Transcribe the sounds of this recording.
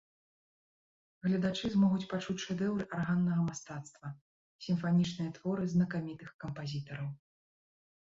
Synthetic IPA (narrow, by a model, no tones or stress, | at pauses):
ɣlʲɐd̪at͡ʂɨzmɔɣut͡sʲpat͡ʂut͡sʲʂɛd̪ɛwɾɨʔarɣanːɐɣɐmast̪at̪st̪vɐ | sʲimfanʲit͡ʂnɨjɐt̪vɔɾɨznɐkamʲit̪ɨxkɐmpazʲit̪ɐɾɐw